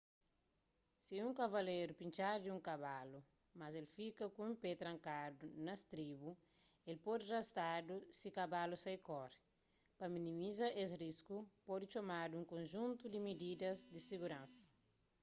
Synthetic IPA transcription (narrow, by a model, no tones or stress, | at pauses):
siũŋkɐvɐleɾupĩnt͡ʃaɾd̪iũŋkaβalu | mazelfikɐkũũpet̪ɾɐ̃ŋkadunɐst̪ɾibu | elpod̪irɐst̪adusikabalusajkɔɾ | pɐminĩmizɐʔes̬riskupod̪it͡ʃomaduũŋkõnʒũnt̪ud̪imid̪id̪ɐzd̪isiɡuɾãnsɐ̥